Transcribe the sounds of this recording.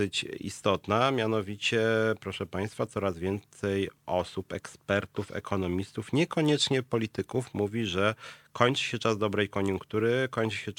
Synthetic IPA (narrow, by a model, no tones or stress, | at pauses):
ɘt͡ɕḭst̪ɔt̪namʲjanɔvʲit͡ɕɛpɾɔʂɛpaj̃st̪fat̪sɔɾazvʲjɛnt̪sɛjɔsupɛ̰kspɛɾt̪ufɛ̰kʰɔnɔmʲist̪ufɲɛkɔɲɛt͡ʂɲɛpɔlʲit̪ɘkufmuvʲiʐɛkʰɔɲt͡ʂɘ̥ɕɛt͡ʂazd̪ɔbɾɛjkɔɲuŋkt̪uɾɘkɔɲt͡ʂɘ̥ɕɛ